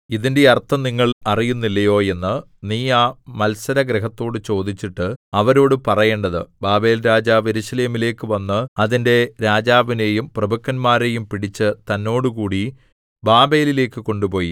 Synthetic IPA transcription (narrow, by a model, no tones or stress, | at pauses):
iðinde̞ɐrt̪ʰːɐniŋːɐɭɐrijunːilːɐjo̞ːe̞nːɨ | niːaːmɐlsɐɾɐɡɾeɦɐt̪ːo̞ːɽɨt͡ɕo̞ːd̪it͡ɕːiʈːɨɐʋɐɾo̞ːɽɨpɐrɐje̞ːɳɖɐðɨ̰baːbe̞ːlɾaːd͡ʑaːʋe̞ɾusɐleːmile̞ːkːɨʋɐnːɨɐðinde̞ɾaːd͡ʑaːʋine̞ːjumprɐbɐkːɐnmaːɾejumpiɽit͡ɕːɨt̪ɐnːo̞ːɽɨkuːɽi | baːbe̞ːlile̞ːkːɨko̞ɳɖupo̞ːji